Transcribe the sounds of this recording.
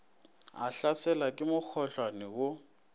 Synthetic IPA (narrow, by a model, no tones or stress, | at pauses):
a̰ɬasɛlakʼɪmʊk͡xʰɔɬwanɛwʊ